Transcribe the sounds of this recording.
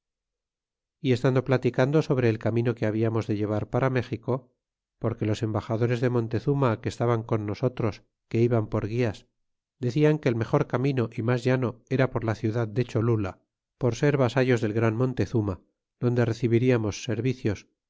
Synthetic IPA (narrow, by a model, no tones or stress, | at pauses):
ie̞st̪and̪o̞plat̪ikand̪o̞so̞β̞ɾe̞ːlkamĩno̞ke̞aβiamo̞zðe̞ʝe̞β̞aɾpaɾame̞xiko̞ | po̞ɾke̞lo̞se̞mbaxaðo̞ɾe̞zðe̞mõ̞nt̪e̞θumake̞ːst̪aβaŋko̞nːo̞so̞t̪ɾo̞s | ke̞iβampo̞ɾɣ̞ias | d̪e̞θiaŋke̞ːlme̞xo̞ɾkamĩno̞ʔimazʝano̞e̞ɾapo̞ɾlaθjuðaðd̪e̞t͡ʃo̞lula | po̞ɾse̞ɾβasaʝo̞zðe̞lɣɾanmõ̞nt̪e̞θuma | ðo̞nd̪e̞re̞θiβiɾiamo̞sːe̞ɾβiθjo̞s